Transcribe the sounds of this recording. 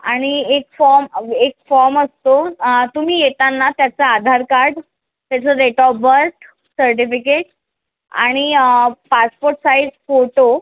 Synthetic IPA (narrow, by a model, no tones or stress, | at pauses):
aɽ̃iekfɔɾmek̚fɔɾməst̪ot̪um̤iːjet̪anːat̪jat͡saːd̪ʱaɾkaɾɖ | t̪jat͡səɾeʈɔbəɾʈ | səɾʈ̬ifikeʈ | a̰ɽ̃ipaspoɾʈsaiɖfoʈo